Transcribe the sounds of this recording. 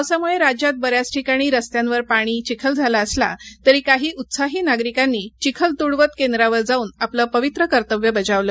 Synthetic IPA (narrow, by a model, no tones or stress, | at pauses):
samuɭeɾad͡ʑjat̪̚bəɾjat͡sʈʰikaɽ̃iːɾəst̪jãnʋəɾpaɽ̃iːt͡ɕikʰəld͡zʱalaəsla̰t̪əɾiːkaɦiːʔut̪saɦiːnaɡɾikanːiːt͡ɕikʰəlt̪uɽʋət̪kend̪ɾaʋəɾd͡zauːnapləːpəʋit̪ɾəkəɾt̪əʋjəbəd͡ʑaʋləː